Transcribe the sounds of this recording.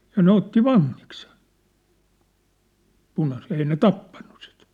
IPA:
jɑ ne otːi ʋɑŋːik se̥n̥ punɑset ei ne tɑpːɑnːu̥ si̥t

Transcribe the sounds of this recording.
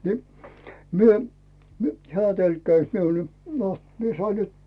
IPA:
ni myø mu heæˑ tølkːæĭs miul no mie sɑi nyt

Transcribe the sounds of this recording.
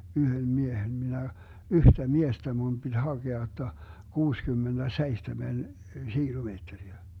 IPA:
yhøm miehen minæ yhtæ miestæ mun b̥id̥ hɑɡ̊eɑ jotːɑ kuːskymːend̥æseihtemen ʃiːlumeːtːeriæ

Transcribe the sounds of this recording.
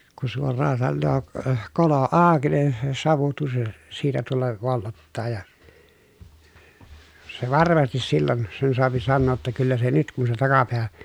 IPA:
ku suorˑɑː sɑnːoː k kolo ɑˑoki nin se sɑʋu tusː siːtæ tulːɑ ʋolːotːɑː jɑ se ʋɑrmɑstis silːon sen soɑpi sɑnːoː tːɑ kylːæ se nyt kun se tɑkɑpeæ

